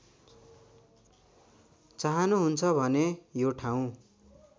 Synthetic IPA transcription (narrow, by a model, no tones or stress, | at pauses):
t͡saɦʌnuɦunt͡sʰʌbʱʌnejoʈʰaw̃